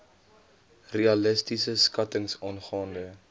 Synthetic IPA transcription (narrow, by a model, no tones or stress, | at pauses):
reɐləstisəskɐtəŋsɑːnχɑːndə